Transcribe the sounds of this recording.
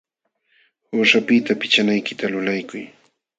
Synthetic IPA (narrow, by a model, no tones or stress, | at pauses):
hʊʂapɪt̪apɪt͡ʃanajkɪt̪alʊlajkʊj